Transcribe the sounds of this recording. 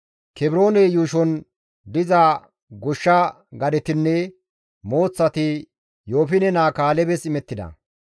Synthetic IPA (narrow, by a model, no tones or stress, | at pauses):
kɛbɾo̞ːnɛjuːʃɔn | d̪ɪza | ɡɔʃːɐ | ɡɐd̪ɛt̪ɪnːɛ | mo̞ːt͡sːɐt̪ɪ | joːfɪnɛnaːkaːlɛbɛsɪmɛt̪ːɪd̪ɐ̰